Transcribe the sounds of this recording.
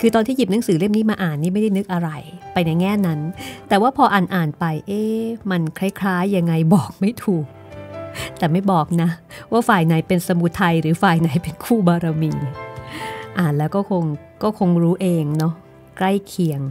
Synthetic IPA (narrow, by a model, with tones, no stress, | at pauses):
kʰɯː˧t̪ɔː˧nt̪ʰiː˥˩ji˨˩p̚na˩˦ŋsɯː˩˦le˥˩mniː˦˥maː˧ʔaː˨˩nːiː˥˩ma˥˩da˥˩jnɯ˦˥k̚ʔa˧ɾa˧jpa˧jna˧jŋɛː˥˩na˦˥nt̪ɛː˨˩waː˥˩pʰɔː˧ʔaː˨˩nʔaː˨˩npa˧jʔeː˧˩ma˧nkʰɾa˦˥jkʰlaː˦˥jːa˧ŋːa˧jbɔː˨˩k̚ma˥˩jt̪ʰuː˨˩k̚ | t̪ɛː˨˩ma˥˩jbɔː˨˩k̚na˦˥waː˥˩faː˨˩jna˨˩˦jpe˧nsa˧mu˨˦˥t̪ʰːa˧jɾɯː˩˦faː˨˩jna˩˦jpe˧nkʰuː˥˩baː˧ɾa˧miː˧ | ʔaː˨˩nlɛː˦˥wkɔː˥˩kʰo˧ŋ | kɔː˥˩kʰo˧ŋɾuː˦˥ʔeː˧ŋnɔ˦˥ | kla˥˩jkʰi˧əŋ